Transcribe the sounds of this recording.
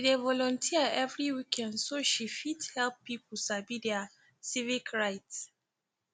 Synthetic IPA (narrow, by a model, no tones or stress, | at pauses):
idevɔlɔ̃ntʰiaɛvɹiwikʰɛ̃ndsoʃifidhɛlppip̩ʰsabidɛa | sivikɹaɪts